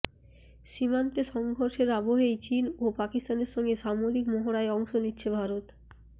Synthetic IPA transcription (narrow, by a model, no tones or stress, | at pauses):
ʃimant̪eʃɔŋɡʱoɾʃeɾaboɦejt͡ɕinopakist̪aneɾʃɔŋɡeʃamoɾikmoɦoɾaeɔŋʃonitːɕʰebʱaɾot̪